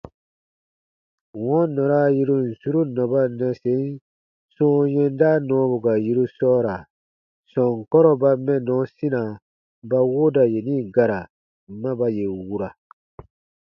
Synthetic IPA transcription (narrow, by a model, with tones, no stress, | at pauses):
wɔ̃˦nɔ̃˨ɾa˦ji˦ɾu˦n̩˨su˦ɾu˦nɔ̃˨ba˦nɛ̃˨se˨˦n | sɔ̃˦jɛ̃˦nda˦nɔ̃ː˨˦bu˨ɡa˨ji˦ɾu˦sɔː˦ɾa˨ | sɔ̃˨ŋ˨kɔ˦ɾɔ˨ba˧mɛ̃˦nɔ̃˨˦sĩ˦nã˨ | ba˦wo˦da˨je˨nĩ˦ɡa˨ɾa˨˦ | mã˦ba˦je˨wu˦ɾa˨